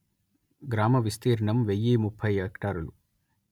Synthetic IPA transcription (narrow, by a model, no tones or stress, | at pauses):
ɡɾaːmɐʋist̪iːɾɐɳɐmʋejːiːmupʰːɐjɦeːkʈaːɾulu